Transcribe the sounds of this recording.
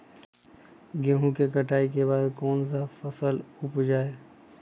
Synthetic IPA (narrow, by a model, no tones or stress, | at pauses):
ɡẽɦũkekəʈaːik̬ebaːd̪kɔːnsafəsəlʊpd͡ʒaːe